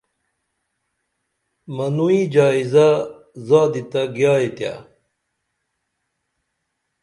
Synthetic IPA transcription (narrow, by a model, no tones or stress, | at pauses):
mɐnuid͡ʑaːiza | zaːd̪it̪aɡjaːit̪ja̰